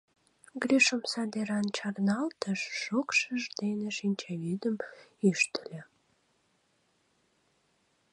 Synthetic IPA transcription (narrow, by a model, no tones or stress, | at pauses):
ɡɾyʃəmsɑd̪eɾɑnt͡ɕɑrnɑlt̪əʃːokʃəʒd̪eneʃinʲt͡ɕævyd̪əmyʃt̪lʲə